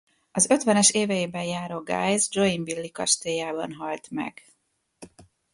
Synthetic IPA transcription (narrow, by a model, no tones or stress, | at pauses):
ɒzø̞t̪ʋɛnɛʃeːvɛjeːbɛnjaːɾoːɡa̰ːjzd͡ʒo̞iɱvilːikɒ̰ʃt̪eːjaːbɒ̰nɦɒlt̪mɛ̰ɡ̥